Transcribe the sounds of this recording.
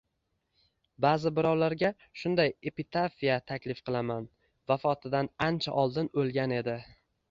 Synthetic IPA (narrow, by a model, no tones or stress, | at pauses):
baːzɪbɪɾɒwlaɾɡʲa | ʃʊnd̪aje̞pit̪ʰafijat̪ʰakʲlɪfqʰɨlˠaman | vafɒt̪ʰɪd̪anant͡ʃʰaʔɒlˠd̪ɪnolˠɡʲane̞d̪ɪ